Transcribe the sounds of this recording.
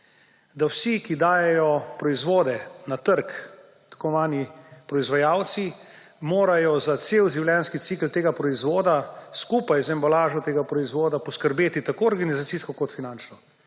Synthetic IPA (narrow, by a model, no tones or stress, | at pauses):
d̪awsikid̪aːjɛjɔpɾɔizʋoːd̪ɛnat̪əɾk | t̪əkɔʋaːnipɾɔizʋajaːwt̪si | moːɾajɔzat̪seːwʒiwljɛnskit̪siklt̪eːɡapɾɔizʋoːd̪askupajzɛmbalaːʒɔt̪eːɡapɾɔizʋoːd̪apɔskəɾbeːt̪it̪akoːɾɡanizat̪siskɔkɔt̪finant͡ʃnɔ